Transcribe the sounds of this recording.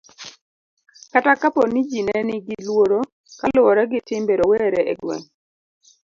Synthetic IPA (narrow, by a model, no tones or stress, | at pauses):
katakaponid͡ʒinɛnɪɡɪlwoɾo | kalʊwɔɾɛɡɪtɪmbeɾowɛɾɛʔɛɡwɛ̰ŋ